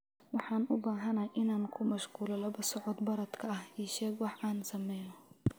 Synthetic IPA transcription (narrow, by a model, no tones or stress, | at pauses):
wɑħɑːnʔʊbaːɦɐnaʔɪnaːnkʰʊmɐʃquːlɐlɐβɐsɔʕɔd̪bɐɾɐd̪kʰɐɐhiʃɛːɡwɑħʔaːnsɐmɛːjjɔ